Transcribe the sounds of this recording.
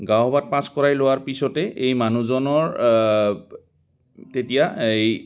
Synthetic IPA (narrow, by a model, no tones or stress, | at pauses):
ɡawbat̚pãskɔɹajlowaɹpisɔtɛʔejmanuzɔnɔɹ | tetijaej